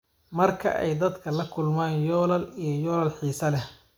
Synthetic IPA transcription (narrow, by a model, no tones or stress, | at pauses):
mɐrkʰɐ̰ʔɛ̰jd̪ɐd̪kʰɐlɐkʰʊlmaːnjɔːlɐlijɞjɔːlɐlħiːsɐlɛ